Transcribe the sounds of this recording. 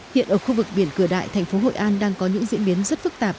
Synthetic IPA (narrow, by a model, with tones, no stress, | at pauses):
hḭ˧˨ənʔəː˧˩xu˧vɨ˨˩k̚ɓi˧˩nkɨ˧˩əɗa̰ː˧˨jt̪ʰɛ˨˩ŋ̟fo˨˦ɦo̰˧˨ʔaː˧nɗaː˧ŋkɔ˨˦ɲɨ̰˧˥ŋzḭ˧˥ənɓi˨˦ənzə˦˥t̚fɨ˦˥k̚t̪aː˨˩p̚